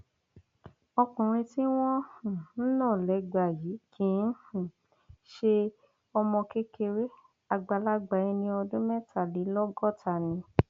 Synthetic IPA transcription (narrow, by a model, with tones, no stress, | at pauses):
ɔ˧kũ˨ɾ̃ĩ˧ti˦w̃ɔ̃˦hũ˨n̩˦nãː˦˨lɛ˨˦ɡ͡ba˨ji˨˦kʰĩ˨˦n̩˦hũ˨ | ʃe˧ | ɔ˧mɔ̃˧ke˦ke˧ɾe˦ | a˧ɡ͡ba˧la˦ɡ͡ba˨˦ĩ˧nĩ˧ɔ˧dũ˦mɛ̃˦˨tʰa˨li˨˦lɔ˦ɡɔ˦˨tʰa˨nĩ˨˧